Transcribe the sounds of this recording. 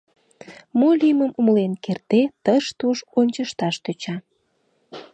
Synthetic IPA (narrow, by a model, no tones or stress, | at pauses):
moliməmuməlenkert̪et̪əʃt̪uʃonʲt͡ɕəʃt̪ɑʃt̪øt͡ɕɑ